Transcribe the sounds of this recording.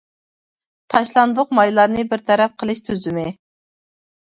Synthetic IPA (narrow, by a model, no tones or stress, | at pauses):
t̪ʰɑʃlˠɑnd̪ʊqmɑjlˠɑɾnɨbɪɾt̪ʰɛɾɛp̚qʰəlˠɨʃt̪ʰøzɪmɪ